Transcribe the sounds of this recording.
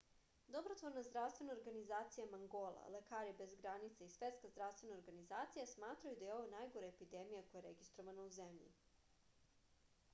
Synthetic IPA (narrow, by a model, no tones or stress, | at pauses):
d̪obɾot̪ʋoɾnazd̪ɾafst̪ʋe̞naoɾɡanizaːt̪sijamaŋɡolˠa̰lekaːɾibe̞zɡɾanit̪saisʋe̞t̪skazd̪ɾaʋst̪ʋe̞naoɾɡanizaːt̪sijasmaːt̪ɾajud̪ajeo̞ʋanajɡoɾaepid̪emijakojaɾeɡist̪ɾoʋanauzemʎḭ